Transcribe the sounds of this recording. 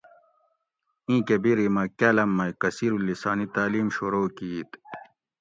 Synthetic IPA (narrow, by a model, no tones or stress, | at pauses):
ĩːkebiɾimɐkelɐmːɐjkɐsiɾulːisaːnit̪aːliːmɕuɾoːkiit̪